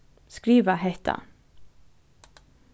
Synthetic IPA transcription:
skɾiːʋəɦɛht̪ʰa̰

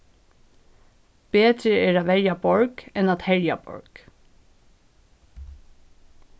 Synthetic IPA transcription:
b̥eːt̪ɾəeːɹɑːʋæɹjɑbɔɹɡɛnɑt̪hɛɹjɑ̰bɔ̰ɹɡ̥

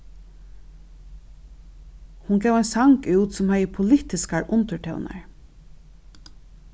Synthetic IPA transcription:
hʊnɡɛːwɛjnsaŋkʉːwt̪sʊmhæjəpʰʊlɪt̪ɪskaɹʔʊnt̪əɹʈʰœ̰wna̰ɹ

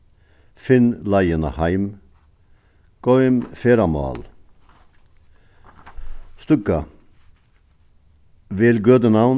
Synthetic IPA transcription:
fɪnlɑɪənə̰hɑɪm | ɡ̥ɔʏmfeːɾɑmɑ̰ːl | st̪ʉkɑ | ʋɪːlɡøːd̪ənɑʊn

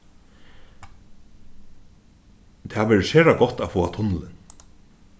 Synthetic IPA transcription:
t̪ʰaːʋɛːɹəseːɹaɡɔt̪afɔːat̪ʰʊnlɪn

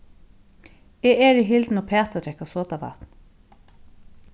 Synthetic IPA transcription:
eːeːɾiːɦɪld̪n̩opʰeːt̪ɑd̪ɾɛkɑsoːt̪ɑʋɑ̰t̪n

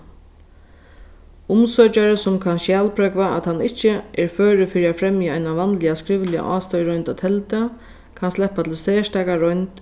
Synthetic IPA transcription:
ʊmsɔt͡ʃaɾəsʊmkʰanʃjɛːlpʰɾœkvaʔa̰t̪hanːɪht͡ʃːɪʔɛɹfœːɾɪfɪɾiafɾɛmjɪajnaʋanlɪaskɾɪʋlɪa̰ʔaːst̪ɔʏjɾɔʏnt̪at̪ʰɛlt̪ə | kʰanslɛhpːat̪ʰɪlsɛːʂtaːkaɾɔjnt̪

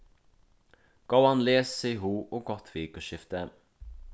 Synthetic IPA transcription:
ɡ̥ɑʊɑnleːssɛɦuːʔoːɡɔt̪ʰʋiːkoːʃɪft̪əɛn

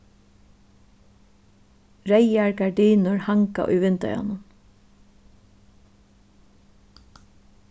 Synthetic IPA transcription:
ɹɛjaɹɡaɹɖiːnʊɹhaŋka̰ʔʊ̰jʋɪnt̪œ̰ʏja̰nʊn

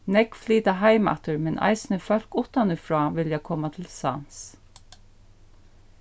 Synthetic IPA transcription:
nɛkfliːt̪aɦaɪmɛ̰ht̪əɹmɛnʔa̰ɪsnəfœl̥kʊht̪anɪfɹɑːʋɪljakʰɔmat̪ʰɪlsa̰ns

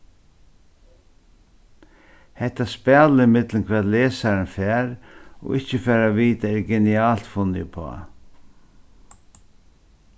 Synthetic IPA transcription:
hɛht̪aspɛːləɪmɪt̪lənkʰvɛːd̪leːsaɾənfɛːɾɔ̰ɣɪht͡ʃəfɛːɾaʋiːt̪aɛɾɡɛniaːlt̪fʊnɪəpʰɔ̰a̰

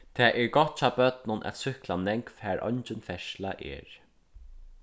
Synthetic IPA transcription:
t̪ʰɛːʔɛɹɡɔht̪̚t͡ɕʰɑːbœt̪nʊnʔæ̰t̪sʏhklanɛŋkfæːɹʔɔ̰ɲt͡ʃɪnfɛʃlaʔɛ̰ːɹ

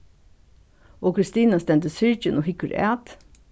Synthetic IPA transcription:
ʔoːkʰɾɪst̪iːnɑst̪ɛnt̪əsʏɹd͡ʒənoːhɪkəɾæːt̪

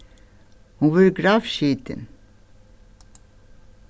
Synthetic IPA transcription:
huʋʉɾɡɾɑːʋʃiːt̪ʰə̰n

